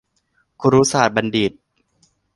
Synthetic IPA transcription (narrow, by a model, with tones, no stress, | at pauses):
kʰu˧ɾuː˦˥saː˨˩t̪̚ba˧ndi˨˩t̪̚